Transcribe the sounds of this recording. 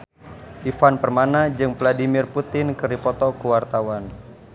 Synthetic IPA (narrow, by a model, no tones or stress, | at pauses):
ʔifanpərmanad͡ʒɨŋvladimirput̪ɪnkɨripɔt̪ɔkuwart̪awan